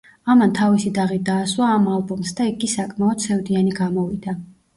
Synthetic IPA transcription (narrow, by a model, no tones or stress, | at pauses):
amant̪ʰavisid̪aʁid̪aːswaːmalˠbumsd̪aiɡisakʼmaɔd̪̥sʰɛvd̪ianiɡamɔvid̪a